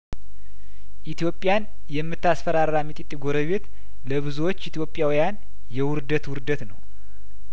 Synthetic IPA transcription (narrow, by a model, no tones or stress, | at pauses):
ʔit̪ʰijo̞pʼːɪjan | jɛmːɨt̪ːasfəɾaɾːamit̪ʼit̪ʼːiɡo̞ɾəβe̞t̪ | ləβɨzuwot͡ʃːit̪ʰijo̞pʼːjawijan | jɛwʊɾd̪ət̪wʊɾd̪ət̪nə̰w